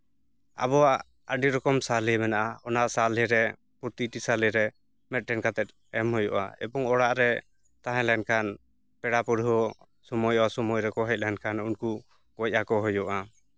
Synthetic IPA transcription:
a̰bɔwaʔ | əɖiɾɔkɔmsalimɛnaʔaɔnaʔsalɛɾɛ | puɾt̪iʈisalɛɾɛ | mɛt̪̚ʈɛnkat̪ɛt̪̚ˀ | ɛmhɔjɔʔa̰ɛ̰bɔŋɔɽaʔɾɛ | t̪aɦɛ̃lankan | pɛɽapɔɽɦɔ | sɔmɔjɔasɔmɔjɾɛkɔɦɛc̚ˀlɛnkanunku | ɡɔc̚ʔakɔɦɔjɔʔa

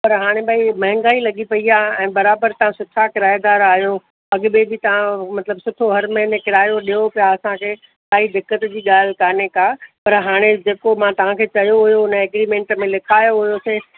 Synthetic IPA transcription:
pɐɾɦaːɽ̃ebʱaːimɐ̃ɦɪ̃ŋɡaːilɐɠipɐiaːɛ̃ːbɐɾaːbəɾt̪ɐʋ̤ãsʊʈʰakɪɾaːɪd̪aːɾaːɦjo | ɐɠbebɪt̪ɐʋ̤ãmɐt̪ləbsʊʈʰoɦɐɾmɐ̃ɦnekɪɾaːjoɗijopijaɐsãkʰeː | saːid̪ɪkːət̪d͡ʑiːɠaːl̤kaːnekaːpɐɾɦaːɽ̃ed͡ʑeːkomãt̪ɐʋ̤ãkʰeːt͡ɕɐjoɦʊjoʊnəɛːɡɾiːmẽːɳʈmẽlɪkʰaːjoɦʊjoseː

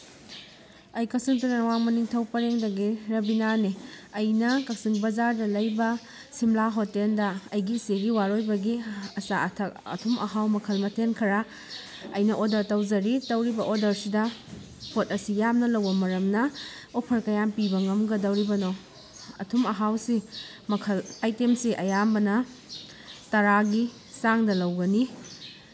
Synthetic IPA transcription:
ɐjkɐsiŋtiŋnɐwaŋmɐniŋtʰɐwpɐɾeŋdɐɡiɾɐbinaniɐjnɐkɐk̚siŋbɐzaɾdɐlɐjbɐ | simlaɦotendɐɐjɡiseɡiwaɾojbɐɡiɐsa̰ɐtʰɐk̚ɐ̰tʰumʔɐɦawmɐkʰɐlmɐtʰenkʰɐɾa | ɐjnɐʔodɐɾtɐwd͡ʒɐɾitɐwɾibɐʔodɐɾsidɐ | pʰotɐsijamnɐlɐwbɐmɐɾɐmnɐopʰɐɾkɐjampibɐŋɐmɡɐdɐwɾibɐno | ɐ̰tʰumɐɦawsi | mɐkʰɐlajtemsiʔɐjambɐnɐ | tɐɾaɡi | saŋdɐlɐwɡɐni

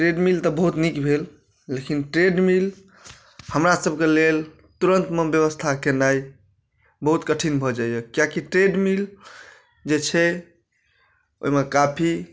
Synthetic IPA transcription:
ʈɾeɖmilt̪ɔbəɦut̪nikbʱel | lekinʈɾeɖmil | həmɾasəbʱkelel | t̪uɾənt̪mebjəβəst̪ʰakenai | bəɦut̪kəʈʰinbʱɔd͡ʒaijəkjakiʈɾeɖmil | d͡ʒet͡ʃʰɛ | o̰ɦimekapʰi

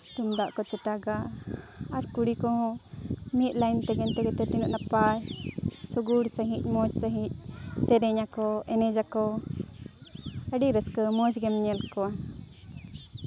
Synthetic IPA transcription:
t̪umd̪aʔkɔt͡ʃɛʈaɡa | aɾkuɽikɔɦɔ̃ | mit̪̚lajnt̪ɛɡɛnt̪ɛɡɛt̪ɛt̪inuʔnapajsɔɡuɽsəɦit̪̚ˀmɔd͡ʒsəɦit̪̚ˀ | t͡ʃɛɾɛɲakɔɛnɛd͡ʒakɔ | əɖiɾəskəmɔd͡ʒɡɛmɲɛlkɔa

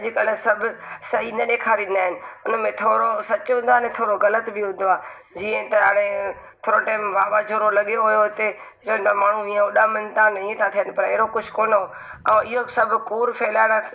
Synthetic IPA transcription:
d͡ʒɪkələ̃sɐbʱʊ̆sɐɦinɐɗeːkʰaːɾĩːnd̪aːɦɪnɪ̆ʊnmẽt̪ʰoːɾosɐt͡ɕʊɦʊ̃ːn̆d̪oaːnẽt̪ʰoːɾoɣɐlət̪bɪɦʊ̃n̆d̪oaː | d͡ʑiːə̃t̪ɐɦa̰ːɽ̃e | t̪ʰoːɾoʈɛːɪmʋaːbad͡ʒʰʱoːɾolɐɠijoɦʊjot̪e | t͡ʃoːɦɪ̃nd̪amaːɳ̤ũĩːə̃oɗaːmɪnt̪ãnɐĩẽt̪ʰat̪ʰijənɪ̆pɐɾeːɾokʊd͡ʑʱkoːnɦo | ɐ̃ːɪɦosɐbʱʊ̆kuːɾfʰeːlaːɽã

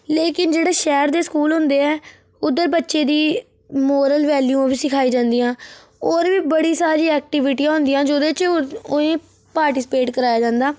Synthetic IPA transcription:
leːkɪnd͡ʒeːɽaːʃɛːɾd̪eːskuːlɦʊ̃nd̪eːɛː | ʊd̪əɾbətːʃeːd̪iː | moːɾəlʋɛːljuːãːbiːsɪkʰaːiːd͡ʒãːnd̪iːãː | oːɾʋiːbəɽiːsaːɾiːɛːk̚ʈɪʋɪʈijãːɦʊ̃nd̪ijãːd͡ʒoːd̪eːt͡ʃoẽː | paːɾʈɪːsɪpeːʈkəɾaːjaːd͡ʒãːnd̪aː

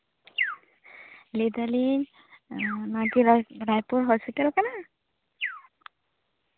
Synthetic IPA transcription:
lidalin | natiɹajpuɹɦɔsitalkana

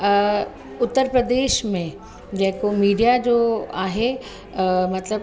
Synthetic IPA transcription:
ʊt̪ːəɾpɾəd̪eːʃmẽ | d͡ʑɐɦɪ̃komiːɖijad͡ʑoːaːɦe | mɐt̪ləb

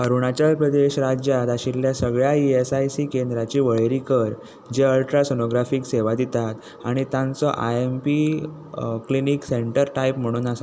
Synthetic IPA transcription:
əɾuɽ̃at͡ɕalpɾəd̪eɕɾad͡ʑjat̪aɕilːjasəɡɭjaiesajsikend̪ɾat͡ɕiːʋəɭeɾikəɾ | d͡ʑeəlʈɾasenoɡɾafiːkseʋad̪it̪at̪ | a̰ɽ̃it̪jãnt͡sɔʔa̰empi | kliniːkseɳʈəɾʈaipm̤əɽ̃uːnasa

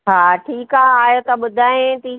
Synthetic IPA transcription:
ɦaːʈʰiːkaaːjot̪ɐɓʊd̪ʱaːẽt̪iː

